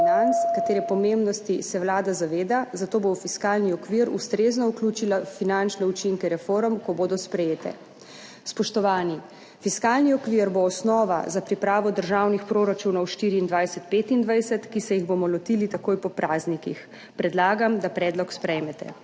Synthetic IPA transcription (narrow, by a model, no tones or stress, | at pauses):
inant̪skat̪eːɾɛpɔmembnɔst̪isɛwlaːd̪azaʋeːd̪azat̪oːbofiskaːlniɔkʋiɾṵst̪ɾeːznɔukluːt͡ʃilafinant͡ʃnɛut͡ʃiŋkɛɾɛfoɾmkɔboːd̪ɔspɾɛjeːt̪ɛ̰ | spɔʃt̪ɔʋaːni | fiskaːlniɔkʋiɾboːsnɔːʋa̰zapɾipɾaːʋɔd̪əɾʒawnixpɾoːɾat͡ʃunɔwʃt̪iːɾiːnd̪ʋajsɛt̪̚peːt̪ind̪ʋajsɛt̪kisɛjiɣbomɔlɔt̪iːlit̪akoːjpɔpɾʔaːznikix | pɾɛd̪laːɡamd̪apɾɛːd̪lɔkspɾɛjmɛt̪ɛ̰